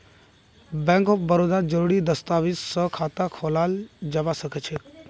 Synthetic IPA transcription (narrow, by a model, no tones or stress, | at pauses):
bɛ̃ŋkɔfbəɾoːd̪ad͡ʒəɾuːɽid̪əst̪aːʋiːsːəkʰaːt̪akʰoːlaːld͡ʒɐʋasəkʰət͡ʃʰe